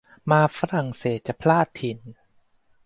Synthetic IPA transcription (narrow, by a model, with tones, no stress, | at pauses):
maː˧fa˧ɾa˨˩ŋseː˨˩t̪̚t͡ɕa˨˩pʰlaː˥˩t̪ʰːi˧˩n